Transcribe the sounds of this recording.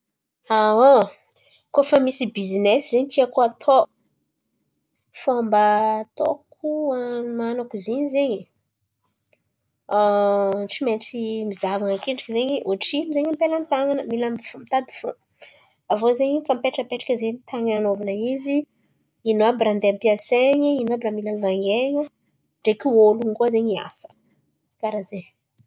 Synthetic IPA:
ao | kofəmisibizineszeɲt̪iakoat̪ʰo | fambət̪o̰kʰuamanakuziɲizeɲi | ʈ͡ʂiment͡simizavaŋakeɳɖ͡ʐḁkizeɲiʔoʈ͡ʂimizeɲampeləmit̪aŋanəmilamfomit̪ad̪i̥fo | avozeɲifampeʈ͡ʂəpeʈ͡ʂḁkʲəzeɲit̪ʰaŋaanovanəizi | inabɾand̪eampiaseɲəinoabɾamilamvaŋeɲə | ɖ͡ʐekioluŋɡuazeɲia̰sə̥ | kaɾazeɲ

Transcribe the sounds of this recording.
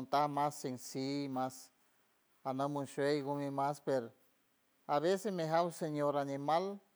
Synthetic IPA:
nt̪ahmasensimas | anamunʃwejɡumimaspeɾ | aβesesmeɦawseɲoɾanimal

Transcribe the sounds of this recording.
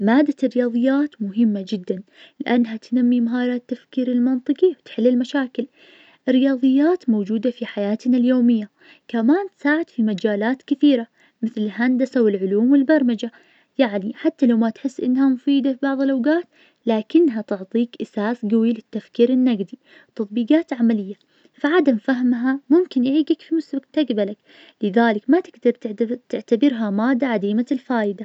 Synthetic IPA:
maːd̪arːɪjɑːðˤɨjːaːt̪mʊɦɪmːad͡ʒɪd̪ːan | lɪʔanːɦat̪namːimaɦɑːɾˤɑt̪ːafkiːɾɪlmɑnt̪ˤɨqiwt̪ħɪlːɪlmaʃaːkɪl | ʔɪrːɪjɑːðˤɨjːaːt̪mowd͡ʒuːd̪afiħajaːt̪naljoːmɪjːa | kamaːnt̪saːʕɪd̪̥fimad͡ʒaːlaːt̪kɪθiːɾa | mɪθlɪlɦand̪asawɪlʕʊluːmwɪlbɑɾˤmad͡ʒa | jaʕniħat̪ːalawmat̪ħɪsːʔɪ̰nːhamʊfiːd̪afibɑʕðˤɨlʔawɡaːt̪ | laːkɪnːɦat̪ʊʕt̪ˤiːkʔasaːsɡawilɪt̪ːafkiːɾɪnːaɡd̪i | t̪ɑt̪̚ˤbiːɡaːt̪ʕamalɪjːa | faʕad̪amfaɦmɦamʊmkɪnʔɪʕiːɡakfimʊsʊɡt̪aɡbalak | lɪðaːlɪkmat̪ɪɡd̪ɑɾˤt̪ɪʕt̪abɪɾɦamaːd̪ːaʕad̪iːmalfaːʔɪd̪a

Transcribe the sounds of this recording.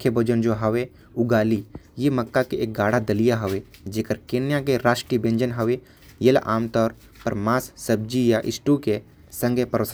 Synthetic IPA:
kʰjebod͡ʒənd͡ʒoɦɐʋe | ʊɡaːlijemɐkːakeʔeːk̚ɡaːɽ̤ad̪ɐlijaɦɐʋed͡ʒeːkəɾkeːnjakeɾaːʃʈɾibẽɲd͡ʒənɦɐʋe | jelʔa̰ːmt̪ɔːɾ | pɐɾmaːsːəb̚d͡ʒijaʔɪsʈuke | sɐ̃ŋɡʱepəɾəs

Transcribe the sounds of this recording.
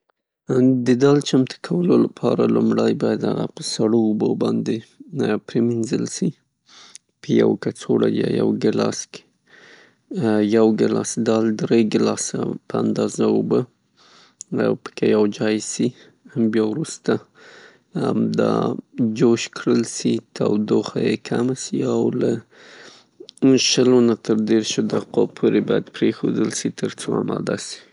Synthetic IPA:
d̪əd̪ɑlt͡ʃamt̪ʰə̥kʰawəlolapʰɑɾalumɽajbɑjad̪haɣa̰pəsaɽoːbobɑnd̪epɾeminzəlsi | pəja̰wkat͡soɽajɑ̰ja̰wɡɪlɑ̰ske̥ | jawɡɪlɑsd̪ɑld̪ɾeɡɪlɑsa̰pəand̪ɑzaubə | a̰wpə̥kʰejawd͡ʒɑjsi | mbjɑwɾust̪a | d̪ɑd͡ʒoʃkɽəlsit̪ʰawd̪oxajekʰamasiawla | ʃəlonat̪əɾd̪eɾʃod̪aqopʰoɾebɑjad̪pɾexod̪əlsit̪ʰəɾt͡soamɑd̪asi̥

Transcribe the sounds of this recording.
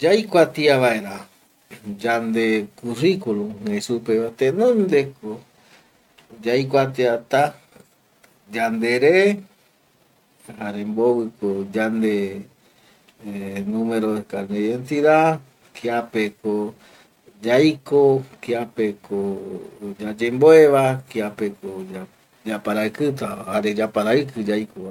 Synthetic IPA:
d͡ʒajkʷat̪iaβaeɾa | d͡ʒand̪ekurikulũhesupeβat̪enõnd̪eko | d͡ʒajkʷat̪iat̪a | d͡ʒand̪eɾe | haɾẽmboβɨkod͡ʒand̪e | nũmeɾoekaneiðent̪iða | kiapeko | d͡ʒajkokiape̞kʰo | d͡ʒad͡ʒemboeβakiapekoa | d͡ʒapaɾaɨkɨt̪ahaɾed͡ʒapaɾaɨkɨd͡ʒajko

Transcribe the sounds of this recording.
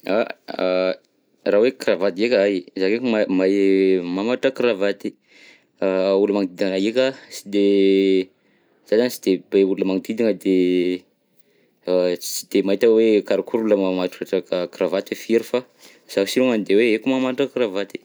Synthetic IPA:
a | rawekravat̪iekaajzakekumamamamaʈ͡ʂakɾavat̪i | uləmaŋid̪id̪iŋaekasid̪e | z̥azanisi̥d̪̥ebeuləmaŋid̪id̪iŋəd̪e | t͡ʃi̥d̪̥emait̪awekaɾakʰuɾuləmamaʈ͡ʂu̥kaʈ͡ʂakakɾavat̪efeɾifa | z̥asiluŋand̪eweekumamaʈ͡ʂakravat̪i̥

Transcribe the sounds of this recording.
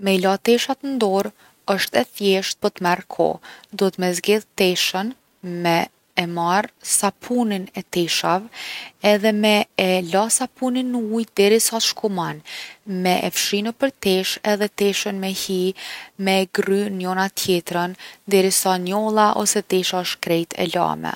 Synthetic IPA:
mɛlat̪ɛʃat̪ənd̪ɔɾ | əʃt̪ɛθjɛʃt̪̚pɔt̪mɛɾkʰɔ̰d̪ɔt̪mɛzɡɛðt̪ɛʃən | mɛː | maɾsapʰuninɛt̪ɛʃavɛðɛmɛlasapuninːəujd̪ɛɾisaʃkumanmɛʔɛ̰fʃinəpəɾt̪ɛʃɛðɛt̪ɛʃənmɛhimɛɡrynjɔnat̪ʰjɛt̪ɾənd̪ɛɾisanɔlˠaʔɔ̰sɛt̪ɛʃaʃkɾɛjt̪ʰɛ̰la̰mɛ̰

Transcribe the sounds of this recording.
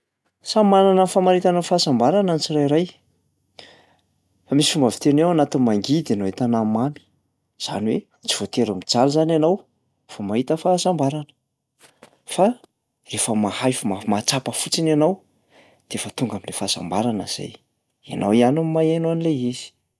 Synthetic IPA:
sambaɾanəfamaɾit̪anafaːsambaɾanant͡sirajɾaj | famisi̥fumbavi̥t̪enewanat̪inmaŋɡid̪anoet̪anamami̥ | z̥a̰niwe | t͡si̥v̥ot̪eɾəmid͡zalzananaw | famaɦit̪əfaːsambaɾanə̥ | fa | refəmahajfmamat͡sapəfut͡sinanaw | d̪̥eafət̪uŋɡamilefasa̰mbaɾanə̰z̥a̰j | anawianamimaenuanileizi̥

